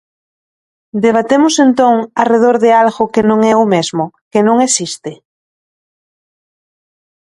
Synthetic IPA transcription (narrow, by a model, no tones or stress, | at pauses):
d̪eβ̞at̪emʊsent̪õŋareð̞oɾðealɣʊkenõŋɛomezmʊ | kenõŋesist̪e